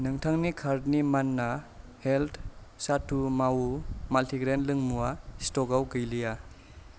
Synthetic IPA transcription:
nɯŋtʰaŋnikʰaɾdnimanːaheltʰsatumawumaltʰiɡɾenlɯŋmuastɔɡawɡɯjlija

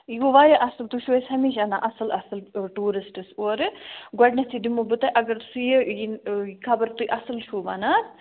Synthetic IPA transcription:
iɡoʋaːjɐʔɐsɨlt̪uʃuesʲhɐmiːʃanaːʔɐsɨlɐsɨlʈuːɾisʈɨsoːɾɡɔɖnɐst̪ʰid̪imobɨt̪ɐʔɐɡɐɾsujejinkʰɐbɐɾt̪uʔɐsɨlʃuːmana

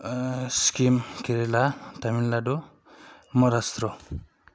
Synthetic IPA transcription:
skimkeɾelat̪aminlado | mɔɾast̪ɾɔ

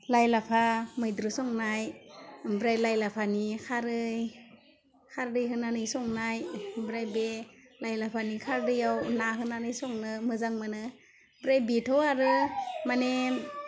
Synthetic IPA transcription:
lajlapʰamɯjdɾɯsɔŋnajmbɾajlajlapʰanikʰaɾɯj | kʰaɾdɯjɦɯnanɯjsɔŋnajbɾajbe | lajlapʰanikʰaɾdɯjawnaɦɯnanɯjsɔŋnɯmɯzaŋmɯnɯ | bɾajbetʰɔaɾɯmane

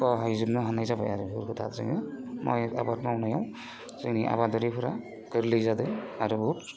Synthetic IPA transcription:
ɔɦajzubnɯɦanajzabajaɾubʱuɾkʰɯtʰa̰tzɯ̰ŋnimɔja̰batmaunajaw̃ | z̥ɯŋniʔa̰badɔɾipʰɯɾa | kɯɾlɯjzadɯaɾubuut

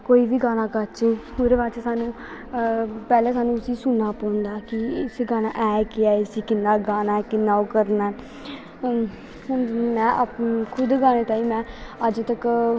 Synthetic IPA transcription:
koːiːʋiːɡaːñaːkəɾt͡ʃe | oːɾeːbaːt͡ʃːsaːnũː | pɛːlẽːsaːnũːʊsĩːsʊnːaːpə̃ːʊnd̪aːkɪsiːɡaːnaːʔɛːkɪaːsiːkɪnːaːɡaːnaːɛkɪnːaːoːkəɾnaɛː | mɛ̃ːʔkʰʊd̪ɡaːneːt̪ãːĩːmɛ̃ːəd͡ʒt̪ək

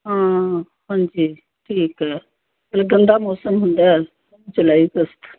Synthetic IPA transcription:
ɦãː | hãːɲd͡ʑiː | ʈʰiːkɦɛː | kɐlaɡə̃nd̪amɔːsəmɦʊ̃nd̪a | ɐmt͡ʃʊlaːikəst̪

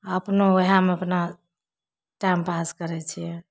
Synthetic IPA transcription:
əpnoəɦjameəpna | ʈajmpaskəɾɛt͡ʃʰijɛ

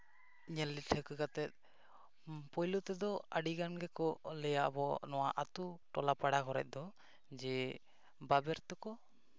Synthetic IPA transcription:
iɲɛlːiʈʰəkɛkat̪ɛt̪̚ | pɔjlɔt̪ɛd̪ɔaɖiɡanɡɛkɔlɛjaʔbɔnɔwaʔat̪uʈɔlapaɽakɔɾɛ̰ʔ̪̚ˀd̪ɔ | d͡ʒɛ | babɛɾt̪ɔkɔ

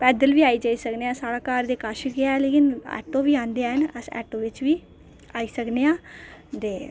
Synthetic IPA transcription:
pɛːd̪əlʋiːaːiːd͡ʒaːiːsəkneːãːsaːɽaːkaːɾd̪eːkaːʃəkɪaleːkɪnɛ̰ːʈõːʋiːãːnd̪eaːɦənəsɛ̰ːʈõːʋɪt͡ʃʋiː | aːiːsəkneːãːd̪eː

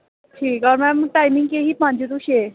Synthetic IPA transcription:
ʈʰiːkɔɾmɛ̃mʈajmiŋɡkeɦiːpmãnd͡ʑet̪uɕe

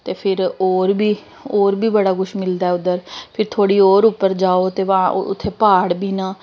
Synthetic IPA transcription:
t̪eːpʰɪɾoːɾbiː | oːɾbiːbəɽaːɡʊʃmɪld̪aːɛːʊd̪əɾpʰɪɾt̪ʰoːɽiːoːɾʊpːəɾd͡ʒaːoːt̪eːʋaːʊ̰t̪ʰːeːpaːɽbiːnãː

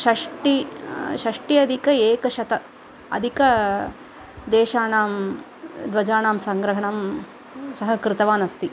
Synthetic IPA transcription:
ʃɐʂʈiʃɐʂʈiɐd̪ʱikɐeːkɐʃɐt̪ɐ | ɐ̰d̪ʱikɐ | d̪eːʃaːnaːm | d̪ʋɐd͡ʒaːnaːmsɐŋɡɾɐɦɐɳɐm | sɐɦɐkɾɪt̪ɐʋaːnɐst̪i

